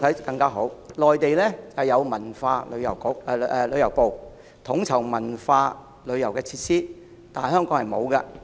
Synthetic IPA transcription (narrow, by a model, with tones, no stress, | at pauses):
t̪ʰɐ˨˥jkɐ˧ŋkaː˥ɦo˨˥wlɔː˨jt̪e˨jlɛː˥t͡sɐ˨jɐ˨˧wmɐ˨˩nfaː˧lɵ̰˨˧ɥjɐ̰˨˩wkʊ˨˥k̚ːɛ˧lɵ˨˧ɥjɐ˨˩wpo˨w | t̪ʰʊ˨˥ŋt͡sʰɐ˨˩wmɐ˨˩nfaː˧ | lɵ˨˧ɥjɐ˨˩wkɛː˧t͡sʰiː˧t̚siː˥ | t̪aː˨nhœː˥ŋkɔː˨˥ŋhɐ˨jmo˨˧wkɐ˧